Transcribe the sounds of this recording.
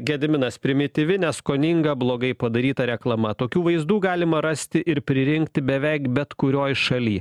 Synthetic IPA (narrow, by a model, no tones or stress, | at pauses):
ɡʲɛd̪ʲmʲɪnɐspʲɾʲɪmʲɪt̪ʲɪʋʲɪnʲɛskoːnʲɪŋɡɐblˠoːɡɐɪpɐd̪ɐɾʲiːt̪ɐɾʲɛklˠɐmɐt̪oːkʲuːʋɐɪzd̪uːɡɑːlʲɪmɐɾɐsʲt̪ʲɪʔɪɾpʲɾʲɪɾʲɪŋkt̪ʲɪbʲɛʋʲɛɪkbʲɛt̪kʊɾʲoːjʃɐlʲiː